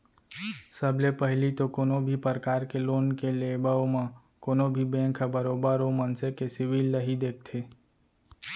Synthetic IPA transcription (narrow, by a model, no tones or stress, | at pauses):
səblepəɦlit̪okoːnõbʱipəɾəkaːɾkeloːnkeleːbəomã | koːnobʱibɛ̃ːkʰəbəɾoːbəɾomənsekesɪʋiːlːəɦid̪eːk̚ʰt̪ʰeː